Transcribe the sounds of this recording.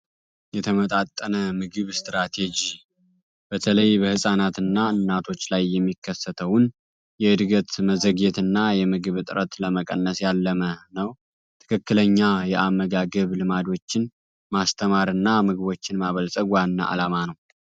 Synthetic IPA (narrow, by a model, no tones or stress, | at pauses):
jɛt̪ʰəmət̪ʼat̪ʼːənəmɨɡɨβst̪ɾat̪ʰe̞d͡ʒi | b̥ət̪ʰələjbəhɨsʼanat̪ɨnːaɨnːat̪ʰo̞t͡ʃːlajːɛmːikːəsːət̪ʰəwʊn | jɛɨd̪ɡət̪məzəɡet̪ɨnːajɛmɨɡɨβɨt̪ʼɨɾət̪ləməkʼə̰nːəsjalːəmənəw | tt̪ʰɨ̥kʰɨkːɨləɲːajɛʔamːəɡaɡəβlɨmad̪o̞t͡ʃːɪn | mast̪ʰəmaɾɨnːamɨɡɨβo̞t͡ʃːɪnmaβəlsʼəɡwanːa̰ʔa̰lamanəw